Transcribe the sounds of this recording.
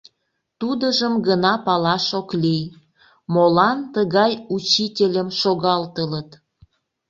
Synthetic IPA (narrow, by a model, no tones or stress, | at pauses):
t̪ud̪əʒəmɡənɑpɑlɑʃoklij | molɑnt̪əɣɑjut͡ɕitʲelʲəmʃoɣɑlt̪ələt̪